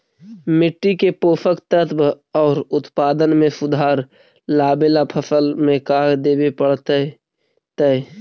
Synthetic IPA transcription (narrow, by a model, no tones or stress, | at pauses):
mɪʈːikepoːpʰəkt̪ət̪ʰb | ɔːɾʊt̪paːd̪ənmẽsʊd̪ʱaːɾ | laːbelapʰəsəlmẽkaːɡd̪eːbepəɽt̪ | t̪ə